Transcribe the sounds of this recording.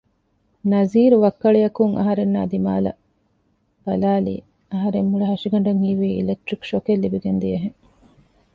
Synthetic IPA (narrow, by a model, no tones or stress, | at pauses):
nɐziːɾuʋɐkːɐɭejɐkuŋʔɐ̰ɦɐɾenːa̰ːd̪ima̰ːlɐ̰ | b̥ɐlaːlḭː | ɐɦɐɾemhuɭɐɦɐʂiɡɐɳ̆ɖɐŋhiːʋiːḭlek̚ʈɾikʃokelːibiɡend̪iɐɦeŋ